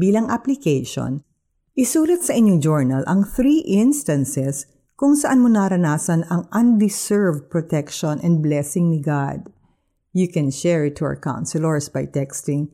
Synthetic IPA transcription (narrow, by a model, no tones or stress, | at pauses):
biːlɐŋʔɐplɪkejʃo̰n | ʔɪsuːlɐt̪̚sɐʔɪɲoŋd͡ʒɔɹnɐlʔɐŋθɾiːʔɪnst̪ɐ̃nsɛs | kʊŋsɐʔanmonaɾɐnaːsɐnɐŋʔɐnd̪ɪsɛɹvd̪̚pɹot̪ɛkʃõnʔɛnd̪̚blɛsɪŋnɪɡad̪ | jukɛ̃nʃɛɹɪt̪ʰːʊɐ̰ɹkã̰w̃nsɪloɹsbɐjt̪ɛkst̪ɪŋ